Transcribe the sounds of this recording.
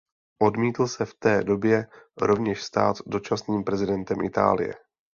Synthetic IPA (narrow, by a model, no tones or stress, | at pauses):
ʔo̞dmiːt̪l̩sɛft̪ɛːdo̞bjɛɾo̞vɲɛʃst̪a̰ːt̪do̞t͡ʃasniːmpɾɛzɪdɛnt̪ɛmʔɪt̪a̰ːlɪ̰jɛ̰